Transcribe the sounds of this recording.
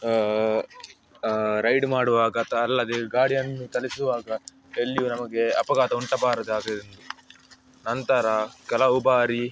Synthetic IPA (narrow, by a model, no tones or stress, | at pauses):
ɾɐjɖmaːɽuʋaːɡɐt̪ɐːlːɐd̪eɡaːɽijɐnːut̪ɐlisuʋaːɡɐ | elːijunɐmɐɡe̞ɐpɐɡaːt̪ɐuɳʈɐbaːɾɐd̪uaːɡɐɾend̪u | nɐnt̪ɐɾɐkɛlɐubaːɾi